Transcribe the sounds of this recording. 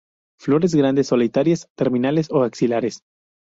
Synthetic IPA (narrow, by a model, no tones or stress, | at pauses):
flo̞ɾe̞zɣɾand̪esːolit̪aɾjest̪eɾmĩnalesoaksilaɾe̞s